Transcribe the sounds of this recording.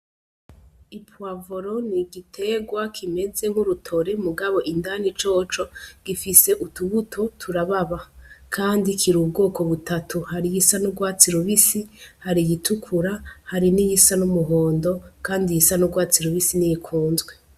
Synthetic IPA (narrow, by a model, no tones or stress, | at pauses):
ipʰwavoɾoniɡitʰe̞ɡwakʰime̞d͡ze̞ŋ̥huɾutʰo̞ɾe̞muɡaβo̞ʔindanit͡ʃo̞t͡ʃo̞ɡ̥ifise̞ʔutuβutʰo̞tʰuɾaβaβakʰaːndikʰiɾub̚ɡo̞ːko̞βutatʰuhaɾijisanuɡwaːt͡siɾuβisihaɾijitʰukʰuɾahaɾinijisanumuɦo̞ːndo̞kaːndijisanuɡwaːt͡siɾuβisinijikʰuːnzɡwe